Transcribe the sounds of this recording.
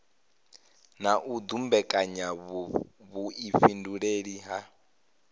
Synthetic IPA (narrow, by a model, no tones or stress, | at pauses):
naʔud̪umbɛkʼaɲa | βuifinduɺeɺiɦa